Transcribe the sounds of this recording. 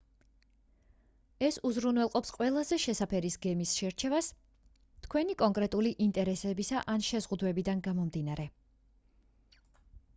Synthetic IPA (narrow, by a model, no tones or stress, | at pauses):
ɛsuzɾunwɛlˠqʼɔpsqʼwɛlˠazɛʃɛsapʰɛɾisɡɛmisʃɛɾt͡ʃʰɛvas | t̪ʰkʰwɛnikʼɔŋkʼɾɛt̪ʼuliʔint̪ʼɛɾɛsɛbisaʔanʃɛzʁud̪wɛbid̪anɡamɔmd̪inaɾɛ